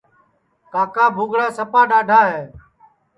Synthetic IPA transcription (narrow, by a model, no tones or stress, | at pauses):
kaːkãːbʱuːɡɽaːsəpaːɗaːɖʱaːɦeː